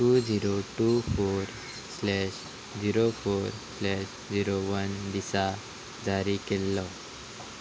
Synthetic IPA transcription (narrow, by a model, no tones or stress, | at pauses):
ʈud͡ziɾoʈufoɾ | slɛɕ | d͡ʑiɾofoɾslɛɕ | d͡ʑiɾoʋənd̪isa | d͡zaɾikelːɔ